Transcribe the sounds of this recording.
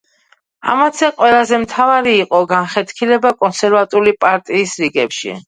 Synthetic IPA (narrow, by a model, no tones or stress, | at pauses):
a̰mat̪sʰɛqʼwɛlˠazɛmt̪ʰavaɾiːqʼɔɡanχɛt̪ʰkʰilɛbakʼɔnsɛɾvat̪ʼulipʼaɾt̪ʼiːsɾiɡɛpʃḭ